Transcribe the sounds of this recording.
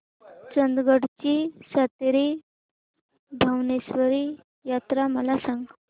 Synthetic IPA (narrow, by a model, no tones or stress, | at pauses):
t͡sənd̪ɡəɽt͡ɕiːsat̪ɾiː | bʱawnesʋəɾiː | jat̪ɾaməlasãŋɡ